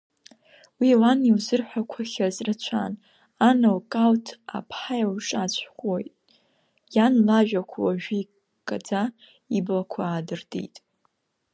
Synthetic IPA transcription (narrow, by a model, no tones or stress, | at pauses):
wiawaniwzɨrħʷᶣakʷʰaχʲazrɨt͡ɕʷʰa̰n | anɨlkʼaltʰa̰pʰħajawʂʼat͡ɕʷʰχʷʼojtʼ | janlaʒᶣakʷʰawaʒᶣii | kʼad͡za | iblakʷʰaːdɨrdʼḭjtʼ